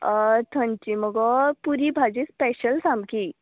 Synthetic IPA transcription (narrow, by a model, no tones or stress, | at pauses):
t̪ʰə̃nt͡ɕiməɡɔpuɾibʱad͡ʑispɛɕəlsamki